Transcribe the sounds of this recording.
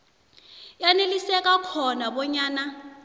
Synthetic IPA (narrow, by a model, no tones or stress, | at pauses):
janelisɛkʼakʰɔnaɓɔɲaːna